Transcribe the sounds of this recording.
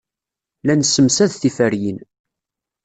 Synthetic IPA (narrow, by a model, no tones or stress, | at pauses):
lænsːəmsæðθifæɾjin